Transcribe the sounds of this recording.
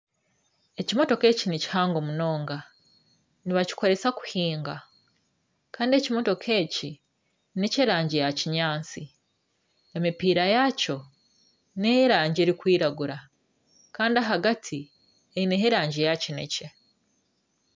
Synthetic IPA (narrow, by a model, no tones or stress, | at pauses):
e̞cimo̞to̞ke̞cinici̥haːŋɡomuno̞ːŋɡa | niβaci̥ko̞ɾe̞saku̥hiːŋɡa | kaːndie̞cimo̞to̞kʰe̞ːci | nece̞ɾaːɲɟejaciɲaːnt͡si | emipiːɾajaco̞ | neheɾaːɲɟe̞ɾikwiːɾaɡuɾa | kaːndiaɦaɡatʰi | eineɦeɾaːɲɟejacine̞̰ce̞